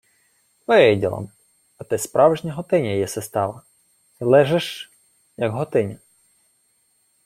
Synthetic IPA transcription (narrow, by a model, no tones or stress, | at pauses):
ʋɔɪɛjdʲḭlˠɐ̰m | ɐt̪ɪspɾʔɑwʒnʲɐɦɔt̪ɪnʲɐjɛsest̪ɑʋɐ | ɪlˠɛʒɛʃ | jɐɡɦɔt̪ɪnʲɐ